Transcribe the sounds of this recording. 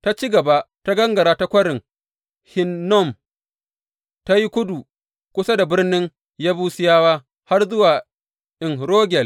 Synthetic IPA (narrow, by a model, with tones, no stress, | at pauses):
ta˦t͡ʃi˦ɡɐ˨ba˦ta˦ɡɐ˦ŋɡɐ˨ɾaː˦ta˦kʷɐ˦ɽɪ˨ŋ | hɪ˦nːɔ˦˨m | ta˦ji˦kʷʊ˦du˨ | kʷʊ˦sa˦da˨bɪ˦rnɪ˦ŋ | jaː˦buː˦sɪ˦jaː˦waː˦ | ha˦rzʊ˦waː˨ | ʔɪ˨ŋɾoː˦ɡʲɛ˨l